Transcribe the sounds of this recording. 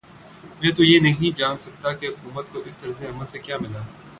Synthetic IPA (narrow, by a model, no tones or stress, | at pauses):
mɛ̃ːt̪ojeːnɐɦĩd͡ʒaːnsɐk̚t̪akeɦʊkuːmət̪̚koʔɪst̪ɐɾseɐməlsekjaːmɪlaː